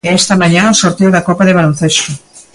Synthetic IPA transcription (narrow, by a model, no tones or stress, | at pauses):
eɛst̪ɐmaɲãosoɾt̪eowðɐkɔpaðeβalon̟θest̪o